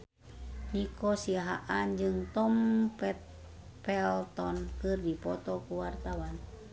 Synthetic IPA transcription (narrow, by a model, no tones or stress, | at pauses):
nikɔsiaɦaʔand͡ʒɨŋt̪ɔmpɛt̪̚ | pɛlt̪ɔnkɨrdipɔt̪ɔkuwart̪awan